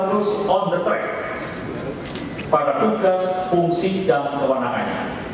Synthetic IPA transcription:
nusɔnd̪ət̪ɾɛ̰k̚ | paɾat̪uɡaspuŋsidaŋkəwanaka̰ɲa̰

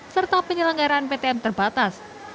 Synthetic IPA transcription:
sərt̪apiɲəlaŋɡaɾaːnpet̪eɛmt̪ərb̥at̪as

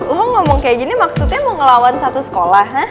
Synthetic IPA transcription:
lɔɦɔŋŋɔmɔŋkajaɡinimaksut̪̚ɲamɔŋəlawansat̪usə̥kolaha

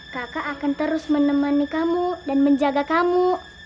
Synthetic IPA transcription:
kakaʔːkant̪əɾʊsmənəmanikamudanməɲd͡ʒaɡakamu

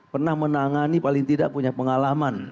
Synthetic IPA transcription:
pərnahmənaŋanipalɪŋt̪idaʔpuɲapəŋalaman

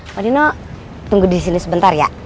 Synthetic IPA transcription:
waninɔ | t̪uŋɡudis̬inisəbənt̪arja̰ʔ

